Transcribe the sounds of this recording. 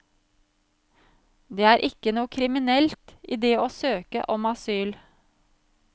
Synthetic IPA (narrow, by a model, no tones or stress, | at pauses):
d̪eːæːɾʔɪkːənuːəkʰɾɪmɪnɛlt̪iːd̪eːoːsøːkə̰ʔɔmɑsyːl